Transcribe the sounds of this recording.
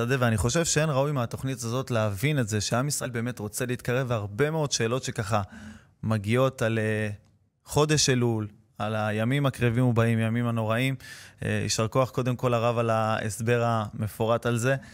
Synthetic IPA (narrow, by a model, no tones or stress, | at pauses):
adeveaniχo̞ʃe̞vʃee̞nʁaujmeat̪o̞χnitazo̞tleavinetze̞ʃeamisʁaʔelbe̞ːme̞t̪ʁo̞t͡seliit̪̚kaʁe̞vaʁbe̞meo̞d̪ʃe̞ːlo̞tʃe̞kaχa | maɡio̞tale | χo̞d̪e̞ʃelul | alajamimakʁevimubaimjamimano̞ʁaim̰ḭʃaʁkoaχko̞d̪e̞mko̞laʁavalaesbe̞ʁame̞foʁatalze̞